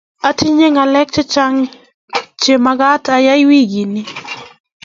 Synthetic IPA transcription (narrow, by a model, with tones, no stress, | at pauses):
a˦tʰi˦ɲe˦ŋa˨lɛ˦k̚t͡ʃe˦t͡ʃa˦ŋ | t͡ʃe˨ma˦ɡa˦ta˦ja˦jwi˦ɡi˨nɪ˦